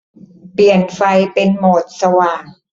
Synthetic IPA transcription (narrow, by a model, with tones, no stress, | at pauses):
pli˨˩ənfa˧jpe˧nmoː˨˩t̪̚sa˧waː˨˩ŋ